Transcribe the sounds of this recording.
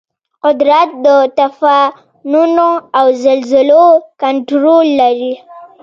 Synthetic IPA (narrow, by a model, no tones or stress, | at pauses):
qʊd̪ɾat̪̚d̪ət̪afa | nunoawzalzɪlokaɳʈɾolːaɾi